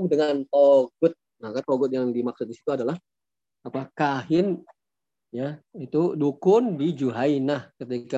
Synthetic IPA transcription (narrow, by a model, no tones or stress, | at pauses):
dəŋant̪oɡʊt̪̚nakant̪oɡʊt̪̚jaŋdimak̚sʊt̪̚disi̥t̪uadalah | apakaɦɪn | jait̪udukʊndid͡ʒuɦainahkət̪ika